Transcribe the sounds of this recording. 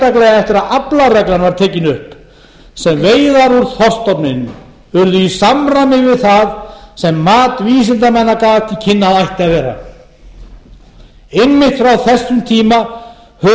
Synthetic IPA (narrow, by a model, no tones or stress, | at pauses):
t̪aklɛɣaɛft̪ɪɾaðaplarɛklanvaɾ̥t̪ʰɛːcɪnʏhp | sɛmveːjðaɾuɾ̥θɔst̪ɔpnɪnʏ | ʏɾðʏisamramɪvɪðθaðsɛmːaːt̪viːs̬ɪnt̪amɛnːakaːvat̪icʰɪnːaðajht̪ɪavɛːra̰ | enmɪht̪fɾawθɛsːʏmt̪ʰiːma | hœ